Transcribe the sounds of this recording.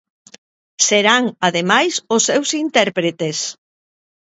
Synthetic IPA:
seɾaŋaðemajsʊsːewsint̪ɛɾpɾet̪es

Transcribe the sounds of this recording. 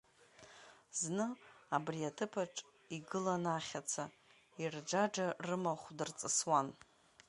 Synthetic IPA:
znɨabriatʰɨpʰaʈ͡ʂʼ | iɡɨlanaχʲat͡sʰa | ird͡ʒad͡ʒarɨmaχʷdɨrt͡sʼɨswan

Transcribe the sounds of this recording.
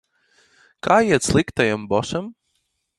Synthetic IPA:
kʰaːjiɛt̪slˠikt̪ajambɔʃam

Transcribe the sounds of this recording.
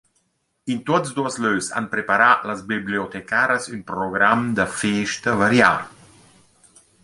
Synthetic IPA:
int̪ot̪sd̪uɐsløsa̰npɾepaɾalazbibliot̪ɛkaɾəsynpɾɔɡɾamd̪əfeːʃt̪ɐvaɾja̰

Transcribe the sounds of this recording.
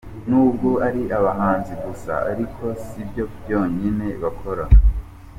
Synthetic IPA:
nuːbɡoʔaɾiʔaβaɦaːnziɡusa̰a̰ɾikʰo̞sibjo̞bjo̞ːɲine̞βakʰo̞ɾa

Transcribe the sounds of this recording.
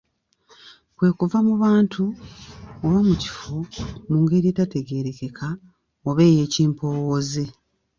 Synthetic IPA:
kwe̞ːkuvamuβaːntʰu | oβamuci̥fomuːŋɡe̞ɾietate̞ɡe̞ːɾe̞ke̞ka | oβe̞ːje̞ːciːmpo̞ːwoze

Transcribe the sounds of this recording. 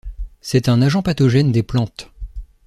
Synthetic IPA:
sɛt̪ɛ̃naʒɑ̃pat̪ɔʒɛnd̪eplɑ̃t̪

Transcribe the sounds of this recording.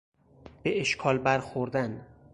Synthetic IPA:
b̥eʔeʃkʰɒːlbæɾxoɾd̪æn

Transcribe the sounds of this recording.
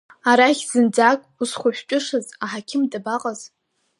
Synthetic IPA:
aɾaχʲz̥ɨnd͡zakʼusχʷʊħʷᶣt͡ʃʲʷʼʊʂɨzaħakʲʰɪmdabaqʼaz̥

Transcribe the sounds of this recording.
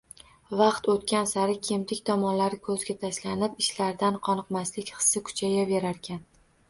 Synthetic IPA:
vɑqt̪ot̪kʲʰansaɾɪkʲʰe̞mt̪ʰɪkʲt̪ʰɒmɒnlaɾɪkʰɵzɡʲat̪ʰaʃlanɪpɪʃlaɾd̪anqʰɒnɨqmaslɪkʲχɨ̥sːakʰʊ̥t͡ʃʰajave̞ɾaɾkʲʰan

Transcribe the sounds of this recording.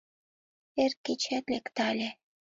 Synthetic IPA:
erkːet͡ɕæt̪lekt̪ɑlʲe

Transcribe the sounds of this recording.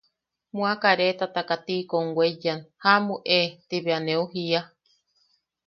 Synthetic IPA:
mũakaɾet̪at̪akat̪ikoŋwʷejanhamuʔet̪iβeaneuɦia

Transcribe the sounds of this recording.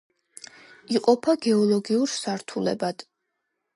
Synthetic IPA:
iqʼɔpʰaɡɛɔlˠɔɡiuɾsaɾt̪ʰulɛ̰bad̪̥

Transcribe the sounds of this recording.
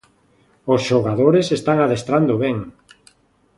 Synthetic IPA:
osʃoɣaðoɾesest̪aŋaðest̪ɾand̪oβɛŋ

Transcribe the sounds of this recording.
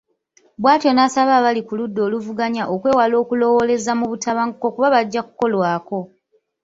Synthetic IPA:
βwaːtio̞nasaβaːβalikuludːo̞ːluvuɡaɲaʔokwe̞ːwalo̞ːkulo̞wo̞le̞zamuβutaβaŋkokuβaβaɟːaku̥ko̞lwaːko̞

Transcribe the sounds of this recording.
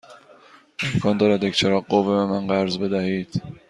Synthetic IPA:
emkʰɒːnd̪ɒːɾæd̪ekt͡ʃʰeɾɒːɢovebemænɢæɾzbe̞d̪æhiːd̪̥

